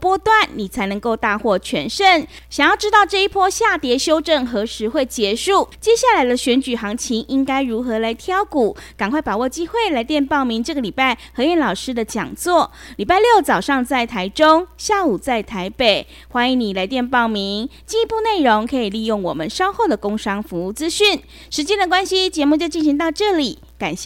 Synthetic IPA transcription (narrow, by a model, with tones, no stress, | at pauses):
pwɔ˥t̪wa˥˨˩nni˨˩t͡sʰa˧˥ɪnə˧˥ŋko˥˧ʊt̪a˥˧xwɔ˥˩t͡ɕʰɥɛ˧˥nʂə˥˩n | ɕjɑ˨˩ŋjɑ˥˩ʊʈ͡ʂɻ̩˥t̪ɑ˥˧ʊʈ͡ʂɤ˥˧i˥pʰɔ˥ɕja˥˩t̪jɛ˧˥ɕjo˥ʊʈ͡ʂə˥˩nxɤ˧˥ʂɻ̩˧˥xwe˥˩ɪt͡ɕjɛ˧˥ʂu˥˩t͡ɕjɛ˥ɕja˥˩la˧˥ɪd̪ə˧ɕɥɛ˧˥nt͡ɕy˨˩xɑ˧˥ŋt͡ɕʰi˧˥ŋi˦ŋka˥ɪɻu˧˥xɤ˧˥la˧˥ɪt̪ʰjɑ˥ʊku˨˩˦ka˨˩ŋkʰwa˥˩ɪpa˨˩wɔ˥˩t͡ɕi˥xwe˥˩ɪla˧˥ɪt̪jɛ˥˧npɑ˥˩ʊmi˨˧˥ŋʈ͡ʂɤ˥˩ɡə˨˩li˨˩pa˥˩ɪxɤ˧˥jɛ˥˩nlɑ˨˩ʊʂɻ̩˥d̪ə˨t͡ɕjɑ̰˨˩ŋt͡swɔ˥˩li˨˩pa˥˧ɪljo˥˩ʊt͡sɑ˨˩ʊʂɑ˥˧ŋt͡sa˥˩ɪt̪ʰa˧˥ɪʈ͡ʂo˥ŋɕja˥˩u˨˩t͡sa˥˩ɪt̪ʰa˧˥ɪpe˨˩ɪ | xwa˥i˧˥ŋni˨˩la˧˥ɪt̪jɛ˥˧npɑ˥˩ʊmi˧˥ŋ | t͡ɕi˥˧pu˥˧ne˥˩ɪɻo˧˥ŋkʰɤ˧˥i˨˩li˥˧jo˥˩ŋwɔ̰˨˩mə˨nʂɑ˥ʊxo˥˩ʊd̪ə˩ko˥ŋʂɑ˥ŋfu˧˦u˥˩t͡sɹ̩˥ɕy˥˩n | ʂɻ̩˧˥t͡ɕjɛ˥nd̪ə˨kwa˥nɕi˥t͡ɕjɛ˧˥mu˥˧t͡ɕjo˥˧ʊt͡ɕi˥˩nɕi˧˦ŋt̪ɑ˥˧ʊʈ͡ʂɤ˥˩li˨˩ | ka˨˩nɕɛ˥˧